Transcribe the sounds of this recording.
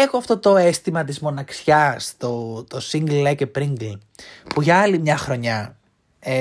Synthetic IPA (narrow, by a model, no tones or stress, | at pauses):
exoɐft̪o̞t̪o̞est̪imɐt̪̬izmo̞nɐksçɐst̪ot̪osiŋɡllɐcepɾiŋɡl | puʝɐɐlimɲɐxɾo̞ɲɐ | e